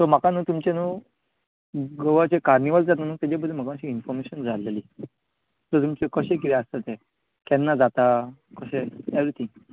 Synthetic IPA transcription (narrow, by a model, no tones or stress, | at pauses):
t̪ɔm̤əkanũːt̪umt͡ɕenuː | ɡəʋat͡ɕekaɾniʋəld͡zat̪nanũːt̪ad͡ʑab̬əd̪ʱːem̤əkãɕiinfɔɾmeɕənd͡zaleli | t̪ət̪̬umt͡ɕekəɕẽk̬it̪ɛast̪at̪ɛ | kɛnːad͡zat̪akəɕeeʋɾit̪ʰĩŋɡ